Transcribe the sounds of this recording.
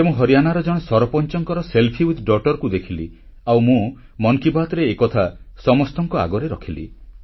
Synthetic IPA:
emũɦɔɾijanaɾɔd͡ʒɔɽ̃esɔɾɔpɔnt͡ʃɔŋkɔɾɔselpʰiut̪ɖɔʈɔɾkud̪ekʰilḭ | awmũ | mɔŋkibat̪ɔɾeːkɔt̪ʰasɔmɔst̪ɔŋkɔa̰ɡɔɾeɾɔkʰilḭ

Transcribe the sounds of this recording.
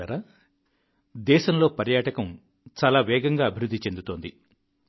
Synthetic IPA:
ɐɾɐ | d̪ɛːʃɐmlo̞ːpɐɾjaːʈɐkɐm | t͡ʃaːlaːʋɛːɡɐŋɡaːɐbʱiɾud̪ːit͡ʃe̞nd̪ut̪o̞ːnd̪i

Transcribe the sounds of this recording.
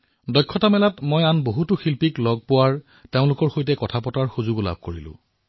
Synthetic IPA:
dɔkʰːɔtamɛlatmojanboɦutʊxilpiklɔɡ̚pʊwaɹ | teʊ̃lʊkɔɹxojtɛkɔtʰapɔtaɹxuzʊɡla̰b̚koɹilʊ̰̃

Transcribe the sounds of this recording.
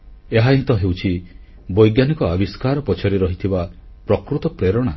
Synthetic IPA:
eɦaɦĩt̪ɔɦewt͡ʃʰi | bɔjɡjanikɔabiskaɾɔpɔt͡ʃʰaɾiɾɔɦit̪ʰiba | pɾɔkɾut̪ɔpɾeɾɔɽ̃a

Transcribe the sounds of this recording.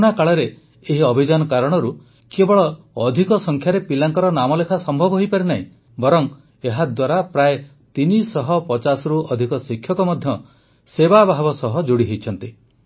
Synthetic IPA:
uɽ̃akaɭɔɾeː | ɦiɔbʱid͡ʒanɔkaɾɔɽ̃ɔɾu | kebɔɭɔː | d̪ʱikɔsɔŋkʰjaɾepilaŋkɔɾɔnamɔlekʰasɔmbʱɔbɔɦojpaɾenaɦḭ̃ | bɔɾɔŋ | eɦad̪waɾapɾaje | t̪inisɔɦɔpɔt͡ʃasɔɾuɔd̪ʱikɔsikʰjɔkɔmɔd̪ʱjɔ | sebabaɦbɔsɔɦɔd͡ʒuɽiɦejt͡ʃʰɔnt̪i

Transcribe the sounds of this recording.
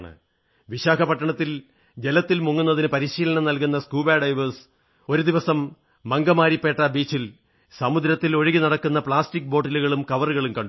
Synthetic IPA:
ɳɨ̰ | ʋiɕaːkʰɐpɐʈːɐɳɐt̪ːil | d͡ʑelɐt̪ːilmuŋːunːɐðinɨpɐɾiɕiːlɐɳɐmnɐlkun̪ːɐskuːbaːɖɐjʋɐrs | o̞ɾud̪iʋɐsɐmː | ɐŋɡɐmaːɾipːe̞ːʈːɐbiːt͡ɕːil | sɐmud̪ɾɐt̪ːilo̞ɻiɣinɐɽɐkːunːɐpɭaːstik̚ːbo̞ːʈːɐluɣɐɭumkɐʋɐruɣɐɭumkɐɳɖ

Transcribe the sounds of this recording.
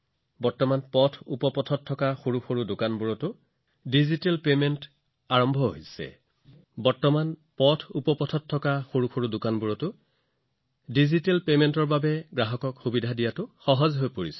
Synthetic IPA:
bɔɹtɔmanpɔtʰupɔpɔtʰɔtʰːɔkaxuɹuxoɹudʊkanbuɹɔtʊ | dizitelpement | aɹɔmbʱɔɦoijsɛ̰ | bɔɹtɔmanpɔtʰupɔpɔtʰɔtʰːɔkaxoɹuxʰoɹudʊkanbuɹɔtʊ | dizitelpementɔɹbabɛɡɹaɦɔkɔkxubidʱadijatʊxɔɦɔzɦojpoɹis

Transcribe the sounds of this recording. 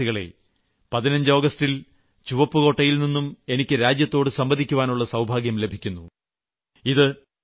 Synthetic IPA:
iɣɐɭe̞̰ | pɐðinɐɲd͡ʑɨo̞ːɡɐstil | t͡ɕuʋɐpːɨɣo̞ːʈːɐjilninːume̞nikʲːɨɾaːd͡ʑjɐt̪ːo̞ːɽɨsɐmbɐd̪ʱikʲːuʋaːnuɭːɐsɐwbʱaːɡjɐmle̞bʱikʲːunːu | iðɨ

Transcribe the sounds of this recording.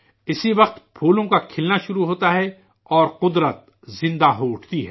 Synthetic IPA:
ɪsiʋɐqt̪pʰuːlõkakʰɪlnaʃʊɾuɦoːt̪aɦɛ | ɔːɾqʊd̪ɾət̪̚ | zɪ̃nd̪aɦoʊʈʰt̪iɦɛ̰ː

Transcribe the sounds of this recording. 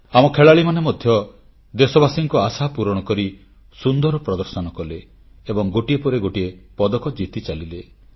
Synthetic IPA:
amɔkʰeɭaɭimanemɔd̪ʱjɔ | d̪esɔbasiŋkɔasapuɾɔɽ̃ɔkɔɾi | sund̪ɔɾɔpɾɔd̪ɔɾsɔnɔkɔle | ebɔŋɡoʈiepɔɾeɡoʈiepɔd̪ɔkɔd͡ʒit̪it͡ʃalile

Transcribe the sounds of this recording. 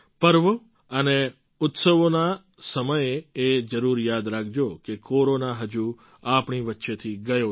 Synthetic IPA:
pəɾʋo | əne | ʊt̪səʋona | səməjeed͡ʒəɾuɾjad̪ɾakʰd͡ʒokekoɾonaɦəd͡ʒu | apɳiʋətːʃet̪ʰiɡəjo

